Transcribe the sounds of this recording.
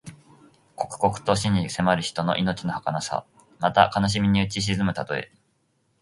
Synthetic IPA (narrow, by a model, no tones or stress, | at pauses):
ko̞kɯ̟̥ko̞kɯ̟̥t̪o̞ɕiɲ̟ise̞maɾɯ̟çi̥t̪o̞no̞ʔino̞t͡ɕino̞hakanasa̰ | mat̪a̰kanoɕ̬imʲiɲ̟iɯ̟t͡ɕiɕ̬izɨmɯ̟t̪at̪o̞e̞̰